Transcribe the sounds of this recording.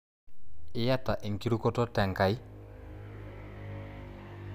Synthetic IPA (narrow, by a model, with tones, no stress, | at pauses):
ɪ˦ja˦ta˨ʔe˨ŋki˦ɾu˦kɔ˦tɔ˦tɛ˨ŋka˨i˦